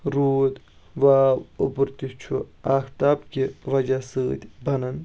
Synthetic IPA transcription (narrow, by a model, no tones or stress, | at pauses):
ɾuːd̪ | ʋaːupɾt̪it͡ʃʰuaːxt̪aːpkʲiʋɐd͡ʒasɨːt̪ʲbɐnɐn